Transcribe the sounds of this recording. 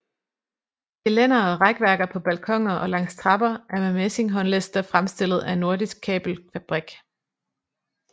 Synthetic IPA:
ɡ̥elen̰ɐɒʁaɡ̥ʋæɐɡ̥ɐpʰɒ̽b̥ælkʰɒ̽ŋ̰ɐʔɒ̽lɑ̈ŋ̰st͡sʰʁɑ̈b̥ɐʔæɐmemese̝ŋɦɒ̽nlesd̥ɐfʁamsd̥e̝l̰ð̩ˠænːo̝ɐdisɡ̥̚kʰɛ̰ːb̥l̩fæb̥ʁiɡ̥

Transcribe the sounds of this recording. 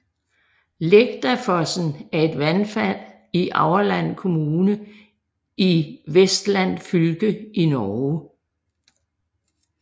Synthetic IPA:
leɡ̥̚d̥ɐfɒsn̩æɐe̝d̥ʋænfæl̰ | iʔɑ̈ʊɐlæn̰kʰo̝muːnə | iʋesd̥læn̰fylɡ̥əʔinɒː

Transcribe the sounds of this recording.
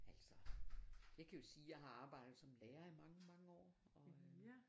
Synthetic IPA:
æl̰sɒ | jɑ̈ɪkʰæjo̝siːjɑ̈ɪɦɑ̈ɑ̈ːb̥ɑ̈ɪ̰d̥ð̩ˠsɒ̽mleːɐimɑ̈ŋəmɑ̈ŋəɒ̰ː | ɒ̽

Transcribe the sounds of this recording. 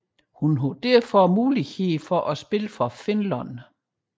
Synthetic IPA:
hunɦod̥æɐ̰fɒmuːliheðfɒʔæsb̥e̝ləfɒfe̝nlɒn

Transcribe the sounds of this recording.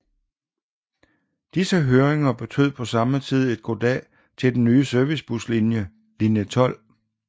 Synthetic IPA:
d̥isəɦøːɐeŋɐb̥e̝t͡sʰø̰ð̞̰ˠpʰɒ̽sɑ̈mət͡sʰið̞̰ˠe̝d̥̚ɡ̥o̝d̥ɛ̰ː | t͡sʰe̝ld̥en̩ːyːsøɐʋisb̥uslinjə | linjət͡sʰɒ̽l̰

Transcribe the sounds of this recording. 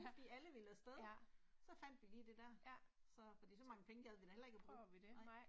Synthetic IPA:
fɒd̥ḭːæləʋilæsd̥eðˠsɒ̽fæn̰d̥ʋiliːd̥e̝d̥æɐ̰sɒ̽fɒ̽d̥ḭːsɒ̽mɑ̈ŋəpʰeŋəɡ̥æðˠʋenɐhelɐe̝ɡ̥æb̥ʁṵʋid̥e

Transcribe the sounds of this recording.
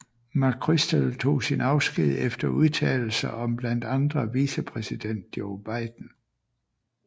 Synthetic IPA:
mɑ̈kʰʁisd̥elt͡sʰo̝̰ːsinɑ̈ʊsɡ̥ið̰ˠefd̥ɐuðˠt͡sʰɛ̰ːl̩sɐʔɒ̽mb̥læn̰d̥ɑ̈nd̥ʁɐʋisəpʰʁɛsid̥en̰d̥̚joʊb̥ɑ̈ɪd̥n̩

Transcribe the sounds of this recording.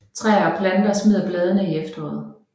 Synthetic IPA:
t͡sʰʁɛ̰ɐɒpʰlænd̥ɐsmiðˠɐb̥lɛːð̞ˠənəiefd̥ɒ̽ð̩ˠ

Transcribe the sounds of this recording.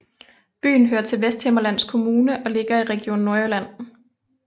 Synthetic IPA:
b̥y̰ːn̩ɦøːɐt͡sʰe̝lʋesd̥hemɐlæn̰skʰo̝muːnəʔɒ̽le̝ɡ̥ɐiʁɛɡ̥ijo̝̰ːnːɔelæn̰

